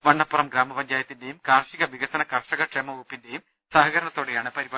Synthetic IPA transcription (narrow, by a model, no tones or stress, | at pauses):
ʋɐɳːɐpːurɐmɡɾaːmɐpɐɲd͡ʑaːjɐt̪ːinde̞jumkaːrʂiɣɐʋiɣɐsɐnɐkɐrʂɐɣɐʈʂemɐuːpːinde̞jum | sɐɦɐɣɐɾɐɳɐt̪ːoːɽejaːɳɨpɐɾiba